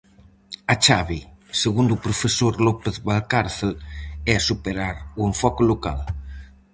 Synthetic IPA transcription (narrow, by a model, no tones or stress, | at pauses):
at͡ʃaβiseɣund̪upɾofesoɾlɔpeθβalkaɾθelɛasupeɾaɾueɱfɔkoloka̰l